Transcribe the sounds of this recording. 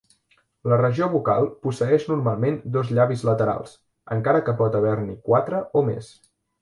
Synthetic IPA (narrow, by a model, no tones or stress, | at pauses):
lərəʒioβuka̰lˠpusəɛʃnuɾmalˠmend̪ozʎaβizlət̪əɾa̰lˠs | ə̰ŋkaɾəkəpɔt̪əβɛɾnikwat̪ɾəʔomḛs